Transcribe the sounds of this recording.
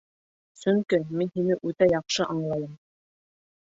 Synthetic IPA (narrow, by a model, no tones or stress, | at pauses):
sɵŋkɘminhinɘʔʉt̪æjɑqʃɤʔɑɴlˠɑjɤm